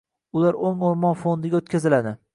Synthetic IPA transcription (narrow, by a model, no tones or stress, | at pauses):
ʊlaɾoŋoɾmɒnfond̪ɪɡʲaot̪̚kʲʰazɪlad̪ɪ